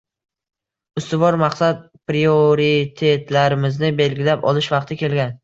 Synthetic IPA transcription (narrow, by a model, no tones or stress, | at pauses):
ʊst̪ɪvɒɾmɑqsat̪̚ | pɾioɾit̪ʰe̞t̪laɾɪmɪznɪbe̞lɡʲɪlapɒ̰lˠɪʃvɑqt̪ʰɪkʲe̞lɡʲan